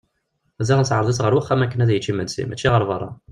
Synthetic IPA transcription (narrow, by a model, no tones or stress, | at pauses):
æzæʁənt͡sʕəɾˤðˤəsʁəɾwəχːæmækːənæðæjət͡ʃːimənsḭmæt͡ʃːiʁəɾˤvɑrˤːɑ̰